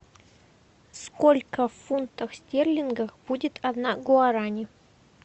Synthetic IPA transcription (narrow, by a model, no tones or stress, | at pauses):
skolʲkəffunt̪əxsʲtʲerlʲɪnɡəxb̥udʲɪt̪ʰɐd̪naɡʊaɾanʲɪ